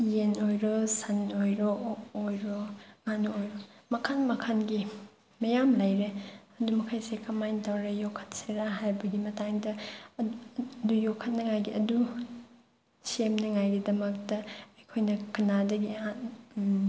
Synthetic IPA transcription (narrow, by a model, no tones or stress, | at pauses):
jenojɾosɐnojɾoːjɾoŋanuojɾomɐkʰanmɐkʰanɡi | mɐjamlɐjɾeɐdumɐkʰajsekɐmajntɐwɾejokʰːɐ̥t̚seɾaɦajbɐɡimɐtaŋdɐ | dujokʰːɐt̚nɐŋajɡiɐdu | semnɐŋajɡidɐmɐk̚tɐɐjkʰojnɐkɐnadɐɡian